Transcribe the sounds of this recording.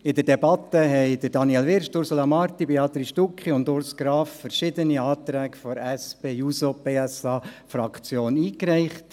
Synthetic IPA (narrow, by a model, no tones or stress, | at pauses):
ɪdəɾdɛbɑt̪ːəɦɛɪd̥̪əɾd̥ɑniɛlʋɪɾʃtʊɾsolɑmɑɾt̪ibeɑt̪ɾiʃtukχiʊndʊɾsɡ̥ɾɑːffəɾʃɪd̪əniɑːt̪ɾɛːɡfɔɾɛspeːjusob̥eːɛsɑːfɾɑkt͡sjoːniːkɾɛɪχt